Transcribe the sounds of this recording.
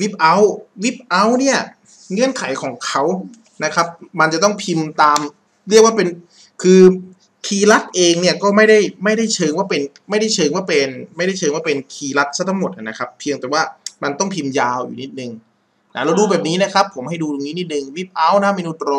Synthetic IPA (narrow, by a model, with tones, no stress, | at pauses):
wi˦˥p̚ʔa˦˥wwi˦˥p̚ʔa˦˥wni˥˩ɐ | ŋɯ˥˩ənkʰa˩˦jkʰɔː˩˦ŋkʰa˦˥w | na˦˥kʰa˦˥p̚ma˧nt͡ɕa˨˩t̪ɔ˥˩ŋpʰi˧mt̪aː˧m | ɾɯ˥˩ək̚waː˥˩pe˧n | kʰɯː˧ | kʰiː˧la˦˥t̪̚ʔeː˧ŋni˥˩ɐkɔː˥˩ma˥˩jda˥˩jma˥˩jda˥˩jt͡ɕʰɤː˧ŋwaː˥˩pe˧n | ma˥˩jda˥˩jt͡ɕʰɤː˧ŋwaː˥˩pe˧nma˥˩jda˥˩jt͡ɕʰɤː˧ŋwaː˥˩pe˧nkʰiː˧la˦˥t̪̚sa˦˥t̪ʰa˥ŋmo˨˩t̪ʔa˨˩na˦˥kʰa˦˥pʰːi˧əŋt̪ɛː˨˩waː˥˩ma˧nt̪ɔ˥˩ŋpʰi˧mjaː˧wjṵː˨˩ni˦˥t̪̚nɯ˨˧ŋ | na˧˩ɾa˧wduː˧bɛː˨˩p̚niː˦˥na˦˥kʰa˦˥pʰːo˩˦mha˥˩jduː˧t̪o˧ŋniː˦˥ni˦˥t̪̚nɯ˨˧ŋwi˦˥˩p̚ʔa˦˥wna˦˥miː˧nu˦˥t̪ɾɔː˧